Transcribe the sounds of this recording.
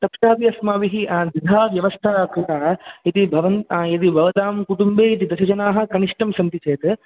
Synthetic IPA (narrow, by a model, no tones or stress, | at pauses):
t̪ɐpʃaːpiɐsmaːʋiɦid̪id̪ʱaːʋjɐʋɐst̪ʰaːkɾut̪aːit̪ibʱɐʋɐnjɐt̪̬ibʱɐʋɐt̪aːmkuʈumbeːit̪̬id̪ɐʃɐd͡ʒɐnaːɦɐ̆kɐniʂʈɐmsɐnt̪it͡ʃeːt̪ɨ